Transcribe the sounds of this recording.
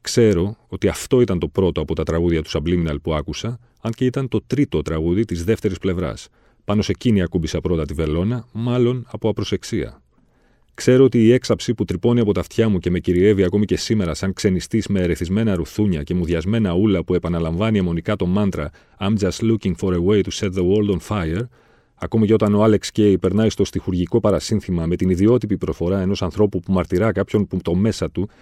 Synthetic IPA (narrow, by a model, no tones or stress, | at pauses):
kse̞ɾo̞ot̪iɐft̪o̞it̪ɐnt̪o̞pɾo̞t̪o̞ɐpo̞t̪ɐt̪ɾɐɣuðʝɐt̪u̥sɐbliminɐlpuɐkusɐ | ɐnceit̪ɐnt̪o̞t̪ɾit̪o̞t̪ɾɐɣuðit̪izðe̞ft̪e̞ɾisple̞vɾɐ̰s | pɐno̞se̞ciniɐkubisɐpɾo̞t̪ɐt̪ive̞lo̞nɐmɐlo̞nɐpo̞ɐpɾo̞se̞ksiɐ̰ | kse̞ɾo̞ot̪iːe̞ksɐpsiput̪ɾipo̞niɐpo̞t̪ɐft̪çɐmuce̞me̞ciɾie̞viɐko̞mice̞sime̞ɾɐsɐŋkse̞nist̪izme̞ːɾeθizme̞nɐɾuθuɲɐce̞muðʝɐzme̞nɐulɐpue̞pɐnɐlɐɱvɐniɐmo̞nikɐt̪o̞mɐnt̪ɾɐ | ɐmd͡zɐst̪luciŋfo̞ɾewe̞jt̪useɾðewold̪onfɐjeɾ | ɐko̞mice̞o̞t̪ɐno̞ɐle̞ksce̞jpe̞ɾnɐjst̪o̞st̪ixuɾʝiko̞pɐɾɐsinθimɐme̞t̪iniðio̞t̪ipipɾo̞sfo̞ɾɐe̞no̞sɐnθɾo̞pupumɐɾt̪iɾɐkɐpço̞nput̪o̞me̞sɐt̪u